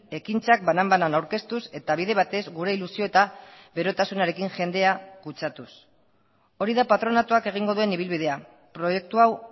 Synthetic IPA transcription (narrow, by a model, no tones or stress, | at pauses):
e̞kint͡sak̚banambananawɾke̞st̪use̞t̪aβ̞iðe̞βat̪e̞zɡuɾe̞ilusio̞et̪a | βe̞ɾo̞t̪asunaɾe̞kiŋʝe̞nd̪e̞akut͡ʃat̪us | o̞ɾiðapat̪ɾo̞nat̪uake̞ɣ̞iŋɡo̞ðue̞niβ̞ilβið̞e̞a | pɾo̞je̞k̚t̪uaw